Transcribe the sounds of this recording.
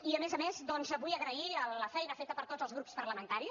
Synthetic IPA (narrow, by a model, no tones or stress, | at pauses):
iəmezəmezd̪ɔnzəβujəɣɾəiələfɛjnəfet̪əpəɾt̪od͡zəlˠzɣɾupspəɾləmənt̪aɾi